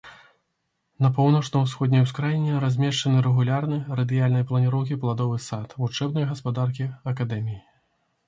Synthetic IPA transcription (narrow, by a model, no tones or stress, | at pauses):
nɐp̬ɔwnɐt͡ʂnɐwsxɔd̪ʲnʲɐjwskɾajinʲɛɾazʲmʲɛʂt͡ʂɐnɨɾɛɣulʲarnɨrɐd̪ɨjalʲnɐjplˠɐnʲiɾɔwkʲiplˠad̪ɔvɨsat̪vut͡ʂɛbnɐjɐɣɐspad̪arkʲiɐkad̪ɛmʲiji